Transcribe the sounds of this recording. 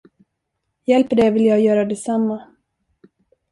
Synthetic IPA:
jɛlpəɖɛvɪljɑːɡjœːɾad̪ɛsamːa

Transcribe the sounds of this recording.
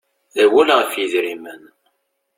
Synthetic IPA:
θæwælʁəfjiðɾimən

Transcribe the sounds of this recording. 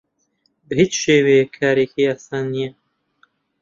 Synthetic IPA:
bɨhiːt͡ʃʃeːwejekʰːaːɾekʰeaːsaːnːijɛ

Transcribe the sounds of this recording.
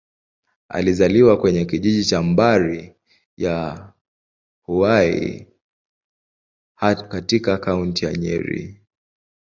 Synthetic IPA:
a̰lizaliwakwɛɲɛkiʄiʄit͡ʃambaɾi | ja | huaḭ | katikakauntija̰ɲɛ̰ɾḭ

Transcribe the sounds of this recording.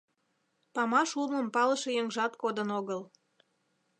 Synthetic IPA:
pɑmɑʃuməmpɑləʃejəŋʒɑt̪kod̪ənoɣəl

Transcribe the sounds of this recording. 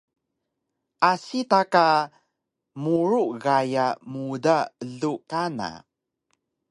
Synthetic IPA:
ʔasitaka | muɾuʔɣajamudaəɮukana̰

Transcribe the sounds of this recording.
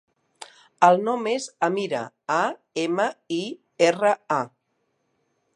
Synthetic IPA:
əlˠnɔmezəmiɾə̰ | a | eməi | erəa

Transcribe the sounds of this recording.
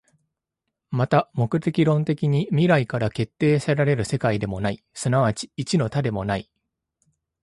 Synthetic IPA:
mat̪amo̞kɯ̟t̪e̞kʲiɾõ̞nt̪e̞kʲiɲ̟imʲiɾaikaɾake̞t̪ːe̞ːsaɾaɾe̞ɾɯ̟se̞kaid̪e̞mo̞nai | sɨnaβat͡ɕi̥ːt͡ɕino̞t̪ad̪e̞mo̞nai

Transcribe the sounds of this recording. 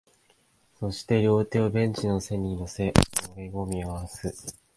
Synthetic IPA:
so̞ɕi̥t̪e̞ɾʲo̞ːt̪e̞obẽ̞ɲ̟t͡ɕino̞se̞ɲ̟inose̞ʔoɾeɡomʲiaβasɨ

